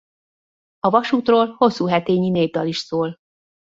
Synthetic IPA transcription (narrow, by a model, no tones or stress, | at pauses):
ɒvɒʃuːt̪roːlho̞sːuːɦɛt̪eːɲineːvd̪ɒliʃsoːl